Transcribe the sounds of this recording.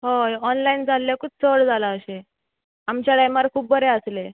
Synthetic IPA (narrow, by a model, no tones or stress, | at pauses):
ɦoɔnlaind͡zʱalːjakuːp̚t͡səʋɽd͡zʱalaəɕe | amt͡ɕaɽajmaɾkʰuːp̚bʱəɾeəsle